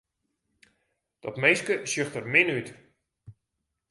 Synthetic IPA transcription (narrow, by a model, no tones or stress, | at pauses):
d̥ɔtmejskəsjøxtərmɪnyt